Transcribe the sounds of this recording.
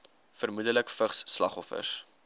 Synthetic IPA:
fərmudələkfəχsːlɐ̰χɔfə̰s

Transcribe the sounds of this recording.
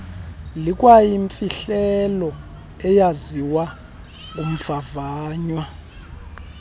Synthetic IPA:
lik̬ʼwajiɱfiɬɛlɔ | ɛjaziwa | ŋk̬ʼum̩favaːɲwa

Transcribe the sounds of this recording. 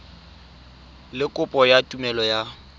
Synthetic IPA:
lɪkʼʊpʼɔjatʼumɛlɔja

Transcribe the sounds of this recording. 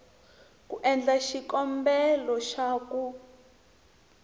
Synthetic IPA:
kuʔɛnd͡ɮaʃikɔmbɛlɔʃaːku

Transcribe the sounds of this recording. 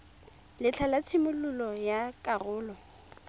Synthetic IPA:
lɪt͡ɬʰalat͡sʰɪmʊlʊlɔjakʼarʊːlɔ

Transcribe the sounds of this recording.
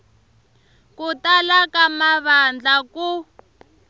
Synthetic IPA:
kutalakamaβand͡ɮaku

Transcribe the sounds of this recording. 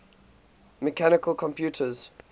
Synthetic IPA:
mɛkʰanɪkəlkʰɔ̃mpʰjuːtʰəz̥

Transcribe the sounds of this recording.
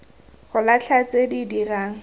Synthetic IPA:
χʊlat͡ɬʰat͡sedidiraːŋ̩

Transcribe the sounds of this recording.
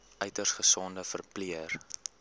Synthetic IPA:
œɥtərsχəsɔndəfərpliər

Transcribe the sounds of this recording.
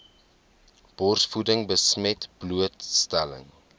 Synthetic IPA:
b̥ɔrsfudəŋbəsmɛtb̥luətstælə̰ŋ

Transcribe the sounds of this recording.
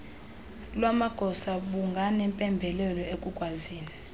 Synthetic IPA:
lwamaɡ̥ʱɔsaɓuŋɡʱanɛmpʼɛmbʱɛlɛlɔekʼuɡ̥ʱwaziːni

